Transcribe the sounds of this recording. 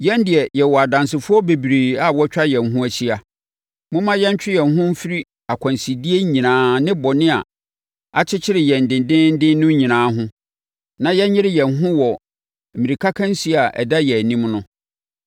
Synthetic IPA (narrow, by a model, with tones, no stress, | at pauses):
jɛ̃˦ndɪ˨ɛ˨jɛ˨wɔ˨a˨dã˨ns̬ɪ˨fʊ˦ɔ˦be˨bi˨ɾeː˨a˨wɔ˦t͡ɕᶣa˦jɛ˨nɦũ˦æ˦ɕi˦a˨ | mʊ̃˦mã˦jɛ˦ɲ˦t͡ɕᶣɪ˦jɛ˨nɦʊ̃˦m̩˦fi˦ɾi˦ | a˨kʷʰã˨nsi˨di˦e˦ɲĩ˨nãː˨˦nɪ̃˦bɔ˨nɪ̃˦a̰˨ | a˨t͡ɕʰɪ˦t͡ɕʰɪ˦ɾɪ˨jɛ˨n̩˨dɪ̃˨ndɪ̃˦n̩˦dɪ̃˦nnʊ̃˦ɲĩ˨nãː˨˦ɦʊ̃˦ | nã˨jɛ˦ɲɪ̃˦ɾɪ˦jɛ˨nɦʊ̃˦wɔ˨ | mĩ˨ɾi˨kʰa˦kʰã˦n̩˦si˦˨a˨ʔɛ̰˨da˦jɛ˨nĩ˦mnʊ̃˦